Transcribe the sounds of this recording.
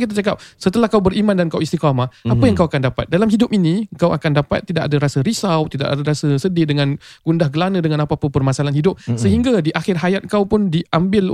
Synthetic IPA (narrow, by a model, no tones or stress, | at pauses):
kit̪̬at͡ʃakap̚sət̪əlahkawbərimandankawist̪ikamaapəjaŋkawakandapat̪̚dalamɦidʊp̚inikawa̰kandapa̰t̪ːidaʔkadaɾasəɾisawt̪ida̰ʔadaɾasəsədɪdəŋanɡ̥undahɡəlanə̃dəŋanapapəpərmasalanɦidʊp̚səɦiŋɡadiʔaxɪrɦajat̪̚kawpʊndiʔʔambɪl